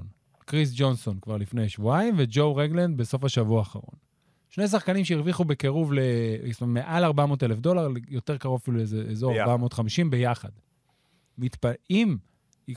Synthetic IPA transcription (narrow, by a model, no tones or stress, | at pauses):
n | kʁis̬d͡ʒo̞nso̞nkvaʁlifnejaʃvuaimved͡ʒo̞wʁeɡlend̪̚beso̞faʃavuaːχa̰ʁo̞̰n | ʃnejs̬aχkanimʃeiʁviχubekeʁuvleismamːeʔalaʁbamo̞ːtelefdo̞laʁljo̞t̪e̞ʁkaʁovafilulezeezoʁaʁbamo̞ːt̪χamiʃimbe̞jaχad̪ | mit̪paim | i